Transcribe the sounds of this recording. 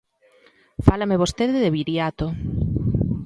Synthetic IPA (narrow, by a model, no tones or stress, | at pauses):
falameβost̪eðɪðeβiɾjat̪o